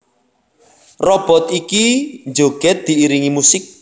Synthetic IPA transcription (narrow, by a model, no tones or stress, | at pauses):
rɔb̥ɔ̤t̪ikind͡ʒoɡ̥ɛt̪̚d̪̥i̤iɾiŋimusɪk̚